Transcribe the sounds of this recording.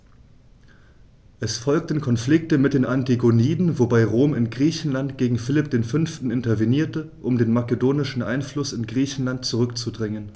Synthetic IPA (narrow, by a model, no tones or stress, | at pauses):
ʔɛsfɔlk̚tən̩kʰɔnflɪk̚təmɪt̚d̥eːnʔantiɡoniːdn̩vobaɪʁoːmɪnɡʁiːçn̩lantɡ̥eːɡŋ̩fɪlɪp̚d̥eːnfʏnftn̩ɪntɐveniːɐtəʔʊmdeːnmakədoːnɪʃn̩ʔa̰ɪnflʊsɪnɡʁiːçn̩lant̚t͡suʁʏkt͡sudʁɪŋən